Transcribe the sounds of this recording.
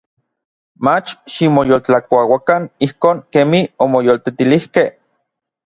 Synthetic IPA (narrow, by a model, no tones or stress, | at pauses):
mat͡ʃʃimojolt͡ɬakʷawakanihkoːŋkemiomojolt̪et̪ilihkeh